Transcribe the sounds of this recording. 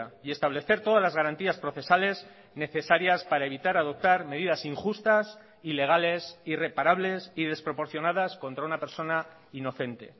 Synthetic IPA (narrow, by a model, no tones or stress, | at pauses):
aie̞st̪aβ̞leθe̞ɾt̪o̞ðazlazɣaɾant̪iaspɾo̞θe̞sale̞z | ne̞θe̞saɾjaspaɾaeβ̞it̪aɾað̞o̞p̚t̪aɾme̞ð̞iðasiŋxust̪as | ile̞ɣ̞ale̞sire̞paɾaβle̞sið̞e̞spɾo̞po̞ɾθjo̞nað̞asko̞nt̪ɾaunape̞ɾso̞na | ino̞θe̞nt̪e̞̰